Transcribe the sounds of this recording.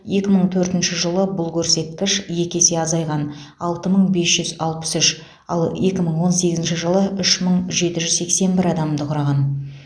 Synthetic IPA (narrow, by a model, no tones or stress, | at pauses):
je̞kʲɪməɴt̪ʰɵɾt̪ɪnʃɪʒəlˠəbʊlˠkʲʰɵɾse̞t̪kʲɪʃje̞kʲe̞seɑzɑjʁɑn | ɑlˠt̪əməɴbe̞sʒ̥ʏzɑlˠpə̥sʏʃ | ɑ̰lˠje̞kʲɪməɴwo̞nse̞ɡʲɪzɪnʃɪʒəlˠəʔʏʃməɴʒe̞t̪ɪʒʏzse̞kse̞nbɪɾɑd̪ɑmmd̪əqʰʊɾɑʁɑn